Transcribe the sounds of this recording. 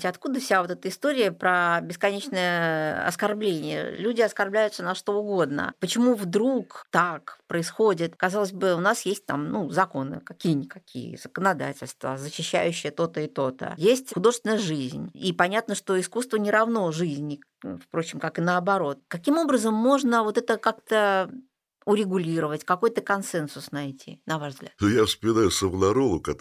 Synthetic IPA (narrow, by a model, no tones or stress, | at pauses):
tʲɐt̪̚kud̪əfsʲavo̞t̪ɛt̪əɪst̪o̞ɾʲɪjəpɾəbʲɪskɐnʲet͡ɕnəjəɐ̰skɐrblʲenʲɪjə̰lʲudʲɪɐskɐrblʲæjʊt̪sənɐʂt̪o̞ʊɡo̞d̪nə̰pət͡ɕɪmuvd̪ɾukt̪akpɾəɪsxo̞dʲɪt̪kɐzɑlˠəzʲbɨʊnasjesʲt̚ʲt̪a̰mnuzɐko̞nɨ̰kɐkʲijənʲɪkɐkʲḭjə̰z̥əkənɐd̪a̰tʲɪlʲst̪və̰zəɕːɪɕːæ̰jʉɕːɪjət̪o̞t̪əɪt̪o̞t̪ə̰jesʲtʲxʊd̪oʐɨst̪ʲɪnəjəʐɨzʲnʲipɐnʲat̪nəʂt̪o̞ɪskust̪vənʲɪɾɐvno̞ʐɨzʲnʲɪ | fpɾo̞t͡ɕːɪmkakɨnəɐbɐɾo̞t̪̚kɐkʲimo̞bɾəzəmːo̞ʐnəvo̞t̪ɛt̪əkakt̪ə | ʊɾʲɪɡʊlʲiɾəvətʲkɐko̞jt̪əkɐnsɛnsʊsnɐjtʲʰḭnɐvaʐvzɡlʲa̰t̪nojafspəmʲɪnajʊsəvlˠɐɾolˠʊkɐ